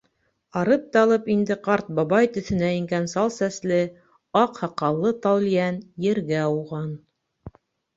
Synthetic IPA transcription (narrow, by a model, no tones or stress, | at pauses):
ɑɾɤp̚t̪ɑlˠɤpind̪ɘqɑɾt̪̚bɑβɑjt̪ɵ̆θɘ̆næĭŋɡænsɑlˠsæslɘ | ɑqhɑqɑlˠːɤt̪ɑwljænjɘ̆ɾɡæuʁɑn